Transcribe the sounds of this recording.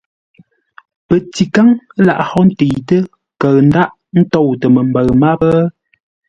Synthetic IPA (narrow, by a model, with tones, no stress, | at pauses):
pə˨ti˨ka˦ŋ˦la̰˨ʔhɔ˦n̩˦tə˨jtə˦ | kə˨ɣn̩˦da˦ʔ | n̩˦tɔ˦˨wtə˨mə˨m˨bə˨ɰma˦bə˦